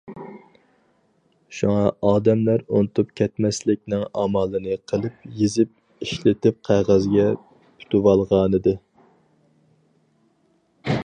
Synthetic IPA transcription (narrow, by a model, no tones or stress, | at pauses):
ʃuŋɑɑːd̪ɛmlæɾunɨt̪upkʲʰɛt̪mɛslɪkʲnɪŋɑmɑːlˠɨnɨqʰəlˠɨpjizɪp̚ | iʃlɪt̪ɪp̚qʰæʁæzɡʲɛ | pʰu̥t̪uwɑlˠʁɑːnɨd̪ɨ